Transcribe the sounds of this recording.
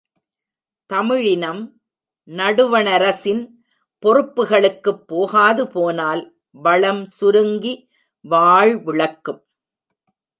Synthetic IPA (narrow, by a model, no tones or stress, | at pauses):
t̪ɐmɪɻɪnɐm | nɐɽɯʋɐnɐɾɐsɪn | pɔrɯpːɯɣɐɭɯkːɯpːoːɣaːðɯpoːnaːl | ʋɐɭɐmsʊɾɯŋɡi | ʋaːɻʋɪɭɐkːɯm